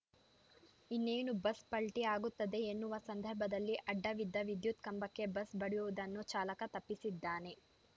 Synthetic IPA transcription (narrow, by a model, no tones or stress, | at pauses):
inːeːnubɐspɐɭʈiaːɡut̪ːɐd̪e̞ːnːuʋɐsɐnd̪ʱɐɾbʱɐd̪ɐlːiʔɐɖːɐʋid̪ʱːɐʋid̪jut̪kɐmbɐkːe̞bɐsbɐɽijuʋud̪ɐnːut͡ʃaːlɐkɐt̪ɐpːisid̪ːaːne̞